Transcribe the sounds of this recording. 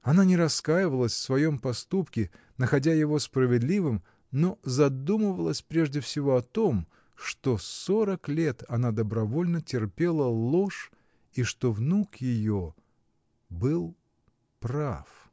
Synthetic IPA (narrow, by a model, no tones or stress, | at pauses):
ɐnanʲɪɾɐskajɪvəlˠəsʲfsvɐjo̞mpɐst̪upkʲɪ | nəxɐdʲajɪvo̞spɾəvʲɪd̪lʲivɨm | no̞zɐd̪uməvəlˠəsʲpɾʲe̞ʐdʲɪfsʲɪvo̞ɐt̪om | ʂt̪o̞soɾəklʲe̞t̪ɐnad̪əbɾɐvo̞lʲnətʲɪrpʲe̞lˠəlˠo̞ʂ | iʂt̪o̞vnukjɪjo | bɨlˠ | pra̰f